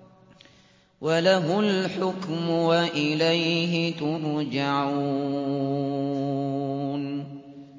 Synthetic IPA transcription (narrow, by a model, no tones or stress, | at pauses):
walaɦʊlħʊkmʊwaʔɪlajɦɪt̪ʊɾˤd͡ʒaʕuː | n